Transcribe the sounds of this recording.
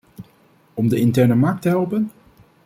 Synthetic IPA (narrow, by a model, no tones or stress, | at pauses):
ɔmdəɪntɛɹnəmɑɹk̚təɦɛlˠpən